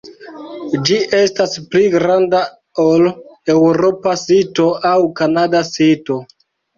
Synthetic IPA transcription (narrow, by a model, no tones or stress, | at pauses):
d͡ʒiʔe̞staspliɡɾanda | ole̞wɾo̞pasito̞ʔawkanadasito̞